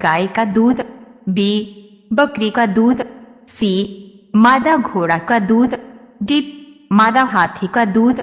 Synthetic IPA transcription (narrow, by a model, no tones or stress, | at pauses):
ɡaːikad̪uːd̪bi | bəkɾikad̪uːd̪ | simaːd̪aɡʱoːɽakad̪uːd̪ɖipmaːd̪aɦaːt̪ʰikad̪uːd̪